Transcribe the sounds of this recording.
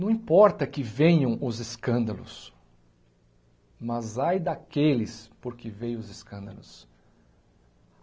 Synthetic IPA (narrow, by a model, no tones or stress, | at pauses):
nɐ̃w̃ĩpɔɾt̪ɐkɪvẽɲɐ̃w̃ʊzeskɐ̃nd̪ɐlʊ̰s | mɐzajd̪ɐkelɪspoɾkɪvẽjʊzeskɐ̃nd̪ɐlʊs